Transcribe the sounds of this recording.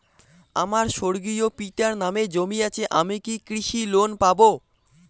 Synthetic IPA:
a̰maɾʃoɾɡijopiʈaɾnamed͡ʑomiat͡ɕʰeʔamikikɾiʃilonpabo

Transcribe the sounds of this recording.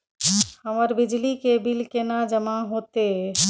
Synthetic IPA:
həməɾbid͡ʒlikebilkenad͡ʒəmaɦot̪e

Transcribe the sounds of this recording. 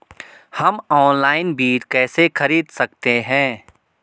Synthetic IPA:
hɐmɔːnlaːɪnbʱiːʈkɛːsexɐɾiːd̪sɐk̚t̪eɦɛ̃ː

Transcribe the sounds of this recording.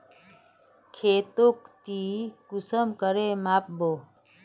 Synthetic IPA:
kʰeːt̪okt̪ikusəmkəɾemaːp̚bo

